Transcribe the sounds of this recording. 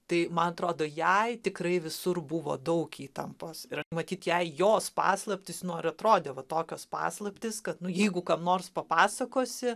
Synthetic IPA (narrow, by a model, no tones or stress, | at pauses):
t̪ɐɪmɐnɐt̪ɾoːd̪oːjɛɪt̪ʲɪkrɐɪʋʲɪsʊrbʊʋo̰ːd̪ɐʊkiːt̪ɐmpoːsɪɾmɐt̪ʲiːt̪jɛɪjoːspɑ̰ːslˠɐpʲtʲɪsnʊɐrɐt̪ɾoːd̪ʲeːʋɐt̪oːkʲoːspɑ̰ːslˠɐpʲt̪ʲɪskɐt̪nʊjɛɪɡʊkɐmnoːrspɐpɑːsɐkoːsʲɪ